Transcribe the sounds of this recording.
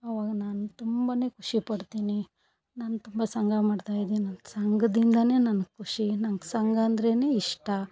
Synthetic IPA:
ɐʋaːɡɐnaːnut̪umbane̞ːkʰuʂipɐɽt̪iːni | naːnut̪umbɐsɐŋɡamaːɖt̪aːjid̪inɐnsɐŋɡɐd̪ind̪ɐne̞ːnɐnɐɡkʰːuʂinɐnɐɡsɐŋɡɐːnd̪ɐɾe̞ːne̞ːiʂʈɐ

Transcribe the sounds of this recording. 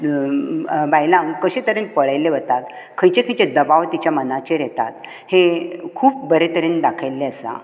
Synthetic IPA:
bajlãŋkəɕẽt̪əɾenpəɭajleʋət̪at̪ | kʰə̃jt͡ɕekʰə̃jt͡ɕed̪əbaʋt̪it͡ɕjamənat͡ɕeɾɛt̪a̰t̪ | hekʰuːp̚bəɾet̪əɾend̪akʰajlːeəsa̰

